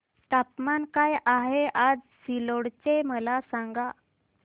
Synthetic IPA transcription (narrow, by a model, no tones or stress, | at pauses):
t̪apmankajaɦeʔad͡zsiloɽt͡ɕeməlasaŋɡa